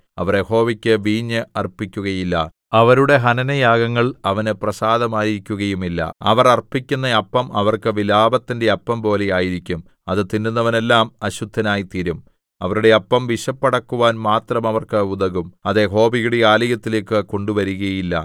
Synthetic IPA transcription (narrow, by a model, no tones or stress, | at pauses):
ɐʋɐrjeho̞ːʋikʲːɨʋiːɲːɨɐrpːikʲːuɣɐjilːɐ̰ | ɐʋɐɾuɽe̞ɦɐnɐnɐjaːɡɐŋːɐɭɐʋɐnɨprɐsaːd̪ɐmaːjiɾikʲːuɣɐjumilːɐ̰ɐ̰ʋɐrɐrpːikʲːunːɐɐpːɐmɐʋɐrkɨʋilaːbɐt̪ːinde̞ɐpːɐmpo̞ːle̞jaːjiɾikʲːum | ɐðɨt̪inːunːɐʋɐne̞lːaːmɐɕud̪ʱːɐnaːjit̪iɾum | ɐʋɐɾuɽe̞ɐpːɐmʋiɕɐpːɐɽɐkːuʋaːnmaːt̪rɐmɐʋɐrkɨuðɐɣumɐðeɦo̞ːʋijuɽeaːlɐjɐt̪ːileːkːɨko̞ɳɖuʋɐɾuɣɐjilːɐ̰